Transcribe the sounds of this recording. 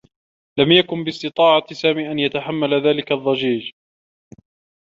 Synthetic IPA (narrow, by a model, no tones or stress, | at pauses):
lamjakʊnbɪst̪ɨt̪ˤɑːʕɑsaːmiːʔanjat̪aħamːalaðaːlɪkaðˤːɑd͡ʒiːd͡ʒ